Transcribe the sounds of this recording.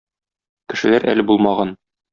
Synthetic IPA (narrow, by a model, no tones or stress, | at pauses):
kɘ̆ʃɘ̆læɾʔæ̰lɘbulˠmɑʁɑn